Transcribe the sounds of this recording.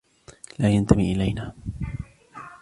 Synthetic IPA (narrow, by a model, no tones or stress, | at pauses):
laːjant̪amḭːʔɪlajnaː